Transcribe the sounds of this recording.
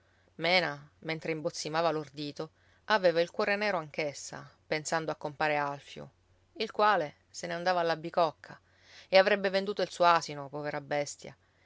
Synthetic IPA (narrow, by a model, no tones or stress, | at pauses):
mɛːnament̪ɾeimbot̪sːimaːvalord̪iːt̪o | aveːvailkwɔːɾenɛːɾoaŋk̟esːa̰pensand̪oakːompaːɾealfjo̰ | ilkwaːle | seneand̪aːvaːlːabːikɔkʰːa | eavɾɛbːevend̪uːt̪oilsuːoasinopɔveɾabːɛst̪ja̰